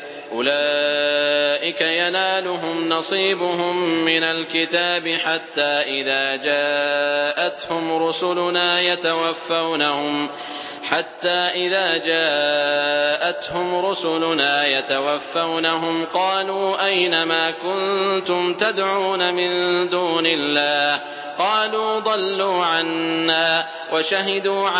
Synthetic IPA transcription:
ʔʊlaː | ʔɪkajanaːlʊɦʊmnɑsˤiːbʊɦʊmːɪnalkɪt̪aːbɪħat̪ːaːʔɪðaːd͡ʒaːʔat̪hʊmɾʊsʊlʊnaːjat̪awafːawnahʊm | ħat̪ːaːʔɪðaːd͡ʒaː | ʔat̪hʊmɾʊsʊlʊnaːjat̪awafːawnaɦʊmqɑːluːʔajnamaːkʊnt̪ʊmt̪ad̪ʕuːnamɪnd̪uːnɪlːaːh | qɑːluːd̪ˤɑlːuːʕanːaː | waʃaɦɪd̪uːʕ

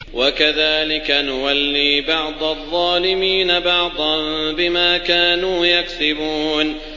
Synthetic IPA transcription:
wakaðaːlɪkanʊwalːiːbɑʕd̪ˤɑʔðˤːɑːlɪmiːnabɑʕd̪ˤɑnbɪmaːkaːnuːjaksɪbuːn

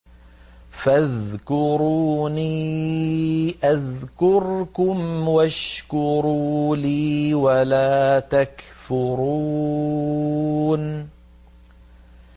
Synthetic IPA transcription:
faðkʊɾuːniː | ʔaðkʊɾkʊmwaʃkʊɾuːliːwalaːt̪akfʊɾuː | n

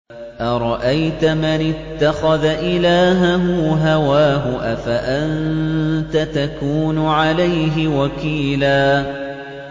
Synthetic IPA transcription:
ʔaɾˤɑʔajt̪amɪnɪt̪ːaxaðaʔɪlaːɦaɦʊɦawaːɦʊʔafaʔant̪at̪akuːnʊʕalajɦɪwakiːlaː

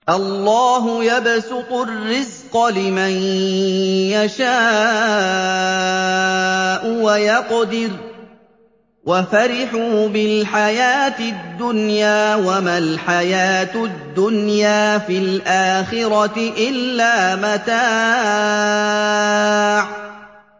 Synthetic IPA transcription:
ʔɑlːɑːɦʊjabsʊqʊrːɪzqɑlɪman | jaʃaː | ʔʊwajɑqd̪ɪɾ | wʔafaɾɪħuːbɪlħajaːt̪ɪd̪ːʊnjaːwamalħajaːt̪ʊd̪ːʊnjaːfilʔaːxɪɾɑt̪ɪʔɪlːaːmat̪aː | ʕ

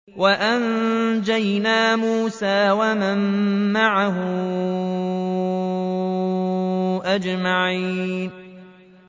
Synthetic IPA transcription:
waʔand͡ʒajnaːmuːsaːwamamːaʕaɦʊ | ʔad͡ʒmaʕiːn

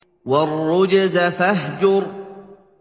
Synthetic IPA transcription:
warˤːʊd͡ʒazafaɦd͡ʒʊɾ

